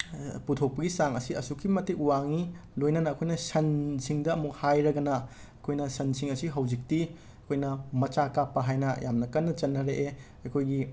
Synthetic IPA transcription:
putʰok̚pɐɡisaŋɐsiɐ̰sukʰːimɐtiuwaŋilojnɐnɐːkʰojnɐsɐnsiŋdɐːmuk̚hajɾɐɡɐnɐ | ɐkʰojnɐsɐnsiŋɐsiɦɐwzik̚ti | ɐkʰojnɐmɐt͡ʃakapːɐɦajnɐjamnɐkɐnːɐt͡ʃɐnːɐɾeʔe | ɐkʰojɡi

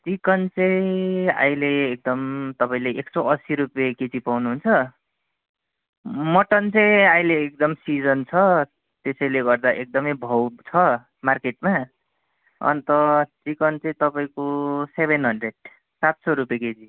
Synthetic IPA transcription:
t͡sikʌnt͡sʌĩa̰jleːk̚d̪ʌmt̪ʌpaĩleʔeksoʌsiɾupjeket͡sipawnuɦunt͡sʰʌ | mʌʈʌnt͡sʌj̃ajleːk̚d̪ʌmsid͡zʌnt͡sʰʌ | t̪esʌjleɡʌrd̪aʔek̚d̪ʌmʌjbʱʌwt͡sʰʌ | markeʈ̚ma | ʌ̰nt̪ʌt͡sikʌnt͡sʌĩt̪ʌpaĩkosebʱenɦʌnɖreɖ | sat̪soɾupjeket͡si

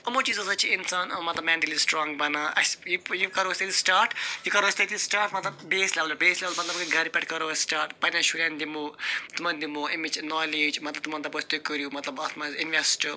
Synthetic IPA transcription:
ɐmot͡ʃizɐzɐt͡ʃʰiinsaːnmɐt̪lɐbmɛ̃ːɳʈɐlisʈɾɔːŋɡbɐnaʔɐsjijukɐɾoʋsʲt̪ɐt̪isʈaːɾʈjikɐɾoːsʲt̪ɐt̪isʈaːɾʈmɐt̪lɐbbeːsleʋɐlbeːslʲeʋɐlmɐt̪lɐbkɐɡʱɐɾpʲɛʈʰkɐɾoːsʈaːɾʈpɐnaʃuɾʲand̪imot̪umɐnd̪imoːimid͡ʒnɔːleːd͡ʒmɐt̪lɐbt̪mɐ̃nt̪ɐbɐt͡ʃʰt̪ukəɾjuːmɐt̪lɐbɐt̪mɐzinʋesʈə

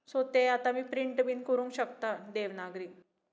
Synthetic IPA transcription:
sot̪eat̪amiːpɾiɳʈbiːnkəɾũŋkɕək̚t̪ad̪eʋnaɡɾiː

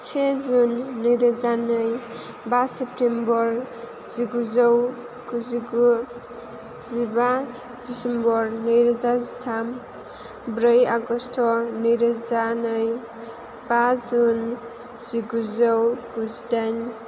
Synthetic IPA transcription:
t͡ʃʰezunːɯjɾazanɯj | basep̚tembɔɾ | z̥iɡuzɔw | ɡ̥uziɡu | ziba | d̥isembɔɾnɯjɾazazitʰam | bɾʌjaɡɔstʰɔnɯjɾazanɯj | bazun | z̥iɡuzɔwɡuzdan

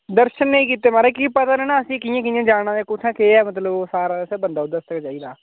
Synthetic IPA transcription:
d̪əɾʃənːəĩːkiːt̪eːmaːɾeːkipət̪aːnɛːnaːəsĩːkijãːk̬ɪjãːd͡ʒaːɽ̃ãːeːkʊt͡ʃʰãːkeːɛːmət̪̬ləboːsaːɾaːseːbənd̪aːod̪əst̪əkt͡ʃaːiːd̪aː

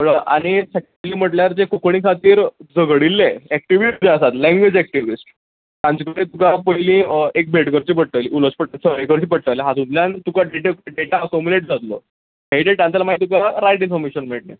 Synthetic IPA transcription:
əɭəʔa̰ɽ̃isək̚ | liːm̤əʈljaɾd͡zekokɳĩkʰat̪iːɾd͡zəɡɽilːeæk̚ʈiʋisʈd͡zeəsat̪lɛ̃ŋɡʋed͡ʑɛk̚ʈiʋisʈ | t̪ãnt͡ɕəkəɽet̪ukapəjlĩːek̚bʱeʈkəɾt͡ɕiːpəʈ̚ʈ̪əʋliuləspəʈasəɾekəɾt͡ɕiːpəʈʈəleɦat̪ũt̪ljãnt̪ukaɖeʈeɖeʈaəkomuleʈd͡zat̪lo̰ | ɦeʈeʈãnt͡ɕalamait̪̬ukaɾajʈinfɔɾmeɕənm̤iʈlḛ

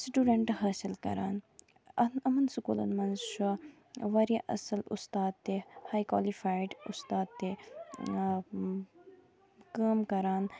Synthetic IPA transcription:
sʈuːɖɐɳʈɦaːsilkɐ̰ɾaːn | ɐnɐmɐnsukuːlɐ̰nmɐnzʃu | ʋɐɾjaʔɐ̰sɐlṵst̪aːd̪̚t̪ehaːjkwa̰lifaːjɖṵst̪aːd̪̚t̪ːe | kaːmkɐɾaːn

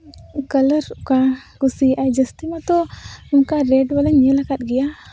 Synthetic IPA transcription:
kələɾukaɡusiajd͡ʒəst̪imat̪ɔunkaɾɛɖwaləɲɲəlakat̪̚ɡɛja

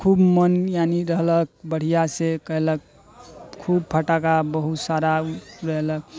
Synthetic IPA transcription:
kʰubmənjaniɾəɦlək̚bəɽ̤ijasekəɦelək̚ | kʰub̚pʰəʈakabəɦut̪saɾaɾəɦelək̚

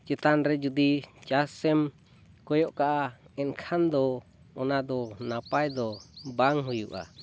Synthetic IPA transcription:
t͡ʃɛt̪anɾɛd͡ʒud̪it͡ʃasɛm | kɔjɔʔkaʔaɛ̃nkʰand̪ɔ | ɔnad̪ɔnapajd̪ɔbaŋɦujṵʔa̰

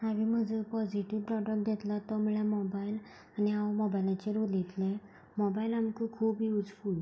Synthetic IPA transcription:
aʋim̤əd͡zəpɔd͡ʑiʈiʋpɾɔɖək̚d̪ɛt̪lat̪ɔmɭjamɔbail | aniamɔbajlãt͡ɕeɾolit̪lẽ | mɔbailamkikʰuːpiud͡zfuːl

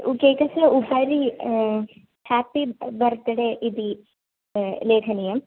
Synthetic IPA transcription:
uɡeːkɐsɐubɐɾi | haːpibɐɾt̪ɐɽeʔid̪i | leːkʰɐnijɐm

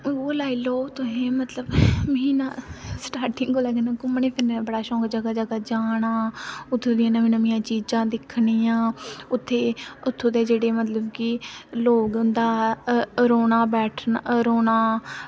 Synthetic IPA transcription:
oɾoːlaːiːloːt̪õːɦẽːmət̪ləbmiːnaːsʈaːɾʈɪŋɡɡoːlɛːɡenãːkʊmːɳeːpʰɪɾneːbəɽaːʃɔ̃ːɡd͡ʒəɡaːd͡ʒəɡaːd͡ʒaːɽaːʊt̪ʰːõːd̪ɪjãːnəʋĩːnəmɪjãːt͡ʃiːd͡ʒãːd̪ɪkʰɽiːjãːʊt̪ʰːeːʊt̪ʰːõːd̪eːd͡ʒeːɽeːmət̪ləbkiloːɡʊnd̪aː | ɾoːnaːbɛːʈʰnɾoːnaː

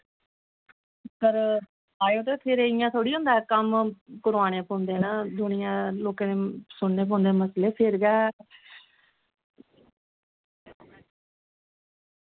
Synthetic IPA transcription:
pəɾ | aːjoːt̪eːpʰɪɾeɪjãːt̪ʰoːɽiːɦʊ̃nd̪aːɛkəmpʊɾʋaːɽ̃ẽːpɔ̃ːnd̪eːnaːd̪ʊnɪjãːloːkãːneːsʊɳːeːp̬ːnd̪eːməsleːpʰɪɾɡɛː

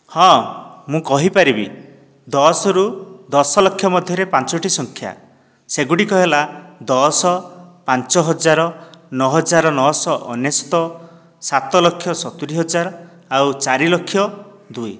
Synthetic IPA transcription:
hɔ̃mũkɔɦipaɾibi | d̪ɔsɔɾud̪ɔsɔlɔkʰjɔmɔd̪ʱjɔɾepant͡ʃɔʈisɔŋkʰja̰ | seɡuɽikɔɦelad̪ɔsɔpant͡ʃɔɦɔd͡ʒaɾɔnɔɦɔd͡ʒaɾɔnɔɦɔsɔʔɔnjest̪ɔ | sat̪ɔlɔkʰːjɔsɔt̪uɽiɦɔd͡ʒaɾɔ | awt͡ʃaɾilɔkʰːjɔd̪uj

